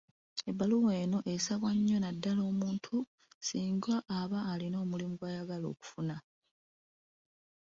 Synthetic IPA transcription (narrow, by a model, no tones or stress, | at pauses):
ebːaluwe̞ːno̞ʔesaβwaɲːo̞nadːalo̞ːmuːntʰu | siːŋɡwaʔːβaːlino̞ːmulimuɡwajaɡalo̞̰ːku̥funa